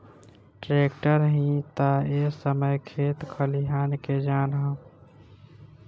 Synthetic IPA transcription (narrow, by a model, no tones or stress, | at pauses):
ʈɾekʈəɾɦĩt̪əesəməjkʰet̪kʰəliɦanked͡ʒanɦə̃